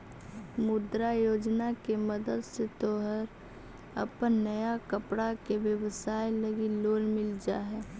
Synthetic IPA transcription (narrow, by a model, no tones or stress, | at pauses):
mʊd̪ɾajoːd͡ʒnakeməd̪əd̪set̪oːɦəɾ | ə̰pənːəjakəpɽakeʋjəwsaːjləɡiloːlmɪld͡ʒa̰ɦɛː